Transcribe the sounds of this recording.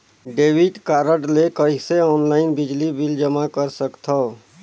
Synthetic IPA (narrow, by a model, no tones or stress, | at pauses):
ɖebiʈkaɾəʈlekəɦiseɔnlaɪnbid͡ʒlibild͡ʒəmakəɾsəkt̪ʰə